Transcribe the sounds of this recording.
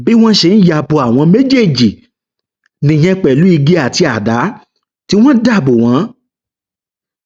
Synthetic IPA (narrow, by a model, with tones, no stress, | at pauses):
bi˦w̃ɔ̃˦ʃe˧n̩˦ja˨˧bo˧a˨w̃ɔ̃˧me˦d͡ʒe˦˨d͡ʒi˨ | nĩ˧˨j̃ɛ̃˧k͡pɛ˨lu˨˦i˧ɡe˦a˦˨ti˧a˨da˨˦ | ti˦w̃ɔ̃˦da˦˨bo˨w̃ɔ̃˨˦